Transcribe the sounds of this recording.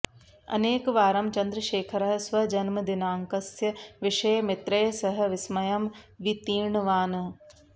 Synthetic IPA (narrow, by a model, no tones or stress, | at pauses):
ɐ̰neːkʋaːɾɐmt͡ʃɐnd̪ɾɐʃeːkʰɐɾɐɦɐsʋɐd͡ʒɐnmɐd̪inaːŋkɐsjɐʋɪʃɐjɐmɪt̪ɾɐjɐsɐɦɐ̆ʋɪsmɐjɐmʋit̪iːɳʋaːnɐ